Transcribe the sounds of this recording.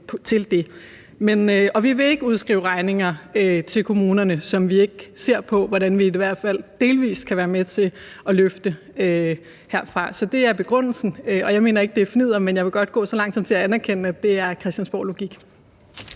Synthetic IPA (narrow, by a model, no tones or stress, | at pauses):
pʰt͡sʰe̝ld̥e̝ | menɒ̽ʋiʋe̝e̝ɡ̥əuðˠsɡ̥ʁḭːʊʁɑ̈ɪne̝ŋɐøt͡sʰe̝lkʰo̝muːnɐnəsɒ̽mʋie̝ɡ̥əse̝ɐ̰pʰɒ̽ʋɒɾ̥ænʋiiʋæɐ̰d̥fæl̰d̥e̝ːlʋḭːskʰæʋæːɐmet͡sʰe̝ | ɒ̽løfd̥ə | ø | heɐ̰fʁɑ̈sɒ̽d̥e̝æɐb̥e̝ɡ̥ʁɔn̰l̩sn̩øɒ̽jɑ̈ɪme̝̰ːnɐe̝ɡ̥̚d̥e̝ɐfinið̞̰ˠɐmenjɑ̈ɪʋe̝ɡ̥ɒ̽d̥̚ɡ̥ɔ̰̽ːsɒ̽lɑ̈ŋ̰dsɒ̽m̰t͡sʰe̝læænæɐkʰen̰æd̥e̝æɐkʰʁɛsd̥ænsb̥ɒ̰ʊlo̝ɡ̥iɡ̥